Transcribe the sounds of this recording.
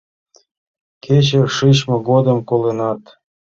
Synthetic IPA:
kʰet͡ɕərʂɯɕmɤɡod̪ə̆mkolenɑt̪

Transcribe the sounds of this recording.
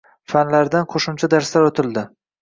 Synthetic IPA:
fanlaɾd̪anqʰoʃʊmt͡ʃʰad̪aɾslaɾot̪ʰɪld̪ɪ

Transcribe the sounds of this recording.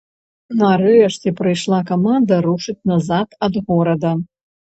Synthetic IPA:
nɐɾɨɐʂtʲipɾɨjʂlˠakɐmand̪ɐɾuʂɨt͡sʲnɐzat̪ɐd̪ɣɔɾɐd̪ɐ

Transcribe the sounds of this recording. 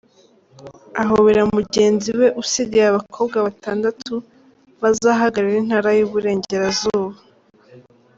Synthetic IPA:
aɦoβeɾamuɟe̞ːnziwe̞ʔusiɟeaβakʰo̞ːbɡaβataːndatu | βazaːɦaɡaɾiɾin̥haːɾajuβuɾe̞ːɲɟe̞ɾazuːβa

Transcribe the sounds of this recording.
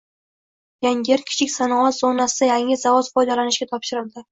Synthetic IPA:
jaŋɡʲeɾkʲʰɪ̥t͡ʃʰɪkʲsanɒʁɒt̪z̥onasɪd̪̥ajaŋɪzavɒz̥fɒjd̪alanɪʃɡʲat̪ʰɒpʃɪɾɪld̪ɪ

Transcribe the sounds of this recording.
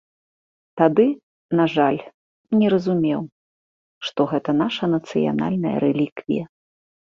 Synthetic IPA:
t̪ad̪ɨ | naʐalʲ | nʲɛɾɐzumʲɛw | ʂt̪ɔɣɛt̪ɐnaʂɐnɐt̪sɨja̰na̰lʲnɐjɐ̰ɾɛlʲikvʲḭjɐ

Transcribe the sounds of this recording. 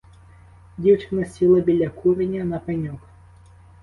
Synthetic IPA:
dʲiwt͡ʃɪnɐsʲilˠɐbʲilʲɐkʰuɾʲinʲɐnɐpɛnʲɔk

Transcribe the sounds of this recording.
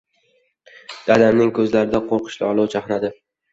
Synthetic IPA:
d̪̥ad̪amnɪŋkʰɵzlaɾɪd̪aqʰoɾqʰɨ̥ʃlɪɒlˠɒwt͡ʃʰaχnad̪ɪ

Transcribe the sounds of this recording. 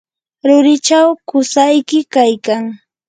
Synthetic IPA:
ɾʊɾɪt͡ʃawkʊsajkɪkajkaŋ

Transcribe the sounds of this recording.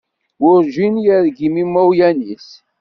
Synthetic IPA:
wʊɾʒinjəɾɡimimːæwjænis

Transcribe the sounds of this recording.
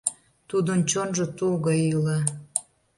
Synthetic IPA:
t̪ud̪ənt͡ɕonʒə̆t̪ulɣəile

